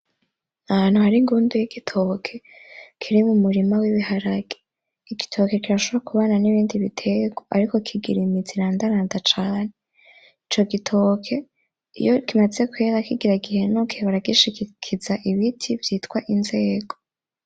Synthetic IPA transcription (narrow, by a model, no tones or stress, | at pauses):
ahaːn̥huhaɾiŋɡuːndujiɡitʰo̞kʰe̞kʰiɾimumuɾimawiβihaɾaɡ̥e | iɡitʰo̞ke̞kiɾaʃoβoɾakuβananiβiːndiβitʰe̞ɡoaɾiko̞kʰiɡiɾimiziɾaːndaɾaːndat͡ʃaːne̞ | it͡ʃo̞ɡitʰokʰe̞ | ḭjokimaze̞kweɾakiɡiɾaɡihe̞nokʰeβaɾaɡiʃikikʰizaʔiβitʰivjiːtkwaʔinze̞ːɡo̞